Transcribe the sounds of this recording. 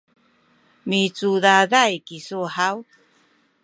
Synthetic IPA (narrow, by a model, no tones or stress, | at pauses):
mit͡sudaðajkisuhaw